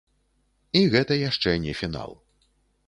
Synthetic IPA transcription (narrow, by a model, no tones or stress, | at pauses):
iɣɛt̪ɐjaʂt͡ʂɛnʲɛfʲina̰lˠ